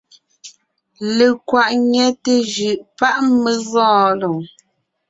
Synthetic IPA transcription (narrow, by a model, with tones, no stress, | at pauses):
le˨kwa˨ʔɲɛ˦te˦d͡ʒʉ˨ʔpa˦ʔme˨ɣɔ̃ː˦˨lo˨ŋ